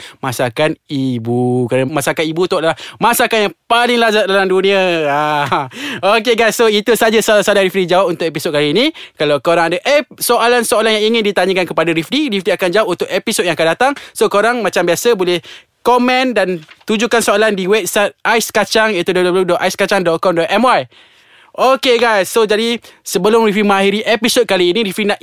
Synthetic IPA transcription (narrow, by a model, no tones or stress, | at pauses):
mãsakanibukɾanamasakanibut̪uadalahmãsakanjaŋpalɪŋlazat̪̚dalamdunĩaa | ok̬eɡasoit̪usad͡ʒassalaɾifdid͡ʒawap̚unt̪ʊkepisod̚ɡkaɾiinĩkalawkoɾaŋadaʔesoʔalansoalanjaŋiŋɪndit̪aɲə̃kankəpadaɾifdiɾifdiakand͡ʒawap̚unt̪ʊʔepisod̚jaŋakandat̪aŋsokoɾaŋmãt͡ʃambiasəbolɛh | komɛ̃ndant̪ud͡ʒukansoalandiwɛp̚sat̪̚ʔajskat͡ʃaŋit̪udodobəludɔʔajskat͡ʃaŋdɔt̪̚kɔmdɔʔ̪ɛmwaj | ʔokeɡajsːod͡ʒadisəbəlʊmɾifimə̃ahiɾiʔepisot̚kaliːnĩɾifɾinaʔ